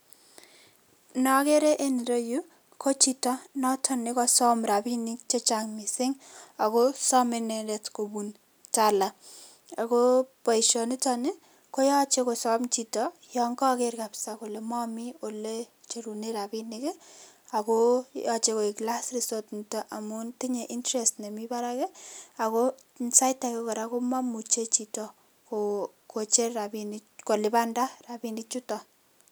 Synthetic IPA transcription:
nɔ˨ke˦ɾe˦ʔe˦ni˨ɾɔ˦ju˦ | kʰo˦t͡ʃitɔnɔtʰɔnɪkɔsɔ˦mrabinɪk̚t͡ʃe˦t͡ʃaŋmɪsɪ˦ŋa˨kosɔ˦mɪnɛɾɛtko˨bun | tala˨ | a˨kopa˨iʃɔ˨nɪ˦tɔnɪ | ko˦jɔ˦t͡ʃekosɔ˦mt͡ʃitɔjɔŋkɔ˦kerkapsako˨le˨mɔ˦mio˨le | t͡ʃe˨ɾune˦ɾapinikɛ | a˨kojɔt͡ʃe˧ko˨i˨kla˦srisotntɔ˦ʔa˨muntiɲe˨ʔi˦ntɾestne˨mi˦paɾakɛ˦a˨ko˦ | nsa˦jtakɛ˦kɔ˨ɾako˦ma˦mu˨t͡ʃe˦t͡ʃi˨tɔ˨ | ko | ko˨t͡ʃe˦rabiniko˨lɪ˨pa˦nda˦rabinit͡ʃutɔ˨

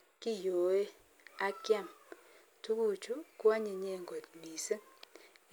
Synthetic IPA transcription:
ki˦jo˨e˦ | a˦kja˦˨m | tu˦ku˦˨t͡ʃu˦kwa˦ɲe˨ɲe˦˨ŋɡo˨tmi˨se˦

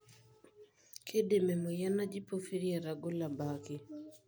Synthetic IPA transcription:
kʰe˦de˨mɛ˨mɔ˨ja˦na˦d͡ʒi˦po˦fi˦ɾja˨ɾa˨ɡo˦la˨ba˨kɪ˨

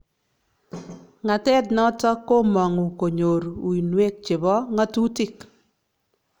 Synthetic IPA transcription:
ŋa˨tɛ˦tnɔ˦tɔ˦ko˦mɔ˨ŋu˨ko˨ɲo˨ɾu˨i˨nwe˦k̚t͡ʃɪ˨βɔ˦ŋa˦tu˦tɪ˦k

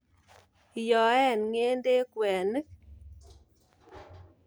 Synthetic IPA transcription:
jɔ˨ɛ˦˨nŋe˦nde˦kwɛ˨nɨ˦k̚

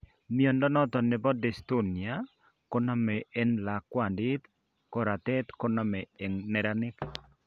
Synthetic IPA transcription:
mi˦ɔ˨ndɔ˦nɔ˦t̪ɔ˨nɪ˨bɔ˦dɛ˨st̪o˦nja˦ | kɔ˦na˦mɛ˨ɛ˦nla˨kːwa˨ndɪ˦t̪ | kɔ˦ɾa˨t̪ɛ˦t̪kɔ˦na˨mɛ˨e˨ŋnɛ˨ɾa˦nɪ˦k

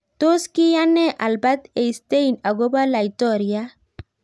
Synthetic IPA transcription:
t̪o˦ski˦ja˦nɛ˦ʔa˨lba˦t̪e˨jst̪e˦jna˨ɡo˦ba˦la˨jt̪ɔɾja

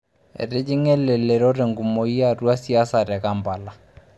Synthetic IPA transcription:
ɛ̰˨ɾɪ˦d͡ʒɪ˦ŋɛ˦lɛ˨lɛ˨ɾɔ˦ɾɛ˨ŋɡu˨mo˨i˦a˦ru˦a˦si˦a˦sa˨ɾɛ˨ka˦mba˨la˨

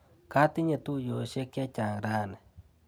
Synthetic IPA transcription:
ka˦t̪ɪ˦ɲe˨t̪u˦jo˨ʃe˦kɪ˦a˦t͡ʃa˨ŋɾa˦nɛ˨

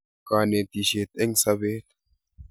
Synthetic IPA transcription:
kaː˨ne˨t̪i˨ʃeː˨t̪ɛ˦ŋsɐ˦βeː˦t̪

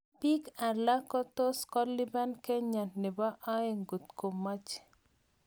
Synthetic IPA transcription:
pi˦ka˨la˦kɔ˦t̪o˦skɔ˦li˦ba˦nkɛ˦ɲa˨nne˨ba˦ʔa˦e˨ŋɡu˨t̪ko˨ma˦t͡ʃ

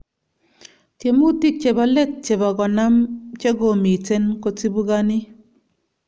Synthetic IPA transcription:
tje˨mu˦ti˦k̚t͡ʃe˨bɔ˨le˦t̚t͡ʃe˨bɔ˨ɡɔ˨na˦mt͡ʃe˦ɡo˨mi˨t͡se˦nko˨t͡si˦bu˦ɡa˦nɪ˦

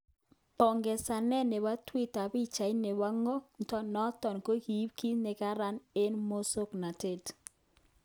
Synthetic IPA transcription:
pɔ˨ŋɡɛ˨sa˨nɛ˦˨ne˨wa˦twi˦ta˨bi˦t͡ʃa˨i˦ne˨wa˦ŋɔ˦n̩˨tɔ˦nɔ˦tɔ˨nko˦ki˨˦pki˦ne˨ka˦ɾa˦ne˦nmo˦so˦kna˨te˦˨t

